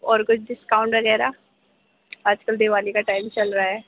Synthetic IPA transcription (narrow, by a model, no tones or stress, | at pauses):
ɔːɾkʊt͡ʃʰɖɪskaːʊ̃ɳʈʋɐɡɛːɾa | aːd͡ʒkəld̪eːʋaːlikaʈaːɪmt͡ʃɐlɾaaɛː